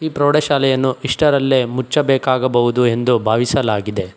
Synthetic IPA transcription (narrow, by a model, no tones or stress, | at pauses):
iːpɾoːɽɐʃaːlɛjɐnːuiʂʈɐɾɐlːemut͡ʃːɐbɛːkaːɡɐbɐɦud̪ue̞nd̪ubʱaːʋisɐlaːɡid̪e̞